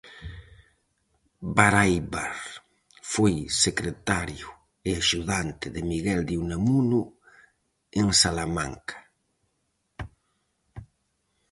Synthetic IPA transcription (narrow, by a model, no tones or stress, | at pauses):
baɾajβaɾ | fojsekɾet̪aɾjʊ | eaʃuðant̪ɪðemiɣɛld̪iwnamunu | eŋsalama̰ŋkḁ